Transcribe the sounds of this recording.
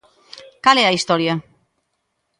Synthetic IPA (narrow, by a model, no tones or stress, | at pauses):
kaleaist̪oɾja